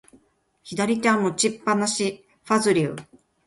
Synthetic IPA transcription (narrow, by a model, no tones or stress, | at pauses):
çid̪aɾʲit͡ɕãmːot͡ɕipːanaɕi | ɸazɨɾʲɯ̰ː